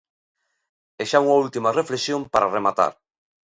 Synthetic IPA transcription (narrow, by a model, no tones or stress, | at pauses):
eʃauŋault̪imareflesjompaɾaremat̪a̰ɾ